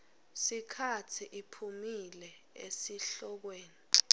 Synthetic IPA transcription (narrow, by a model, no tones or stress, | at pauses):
sikʰatʰiʔipʰumilɛ | ḛsiɬɔk̬weːni